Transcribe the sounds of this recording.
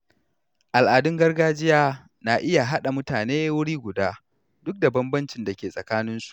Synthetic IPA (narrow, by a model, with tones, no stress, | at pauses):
ʔa˨lʔaː˨dʊ˦ŋɡɐ˦rɡaː˦d͡ʒɪ˦jaː˦ | naː˨ʔɪ˦ja˨ɦa˦ɗa˨mʊ˦taː˨neː˦wʊ˦ɽiː˦ɡʷʊ˨daː˦ | dʊ˦k̚da˨bɐ˦mbɐ˦nt͡ʃɪ˨nda˨kʲeː˨sʼɐ˨kaː˦nɪ˦nsu̥˨ʔʔ